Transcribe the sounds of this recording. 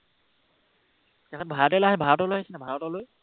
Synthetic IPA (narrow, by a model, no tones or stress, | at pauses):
kɛkʰɔtbʱaɹatɛlaɦɛbʱaɹɔtɔlojhasɛnabʱaɹɔtɔloj